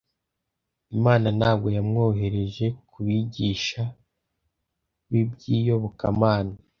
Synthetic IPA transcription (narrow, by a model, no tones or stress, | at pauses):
imaːnanaːb̚ɡo̞jamŋo̞ːɦe̞ɾe̞ʒe̞kʰuβiɟiːʃa | βibɟiːjo̞βoka̰maːna